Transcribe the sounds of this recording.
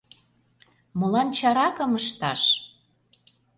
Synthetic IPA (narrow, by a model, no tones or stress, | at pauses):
mulɑnt͡ɕɑɾɑkə̆məʃt̪ɑ̰ʃ